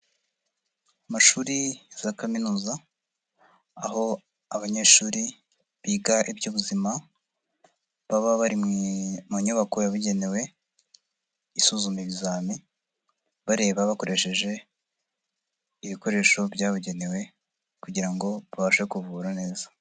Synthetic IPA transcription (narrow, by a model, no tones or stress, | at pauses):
amaʃuːɾiz̥akaminuːza | a̰ɦo̞ | aβaɲe̞ːʃuːɾi | βiɡaʔibɟuːβuzima | βaβaβaɾimŋimuɲuβako̞jaβiɟe̞ne̞we̞ | isuzumiβizaːmi | βaɾe̞ːβaβako̞ɾʔe̞ʃe̞ʒe̞ | iβiko̞ɾe̞ːʃo̞bjaːβuɟe̞ne̞we̞ | kuɟiɾaŋɡo̞βaβaʃaekuvuɾane̞ːza